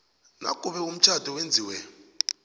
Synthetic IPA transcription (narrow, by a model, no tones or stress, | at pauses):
na̰kʼuɓɛum̩t͡ʃʰadʱɔwend͡zʱiːwɛ